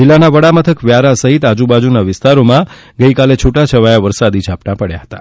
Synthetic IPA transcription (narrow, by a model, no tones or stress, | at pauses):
d͡ʒɪlːanaʋəɽamət̪ʰəkʋjaɾasəɦit̪ad͡ʒubad͡ʒunaʋɪst̪aɾomã | ɡəikalet͡ʃʰuʈat͡ʃʰəʋajaʋəɾsad̪id͡ʒʱapnãpəɽjaɦət̪a